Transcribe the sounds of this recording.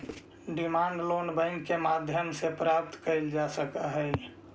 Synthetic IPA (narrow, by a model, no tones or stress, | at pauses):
ɖimaɳɖlonbə̃ɪŋkkemad̪ʱjəmsepɾap̚t̪kəɪld͡ʒasəkəɦəj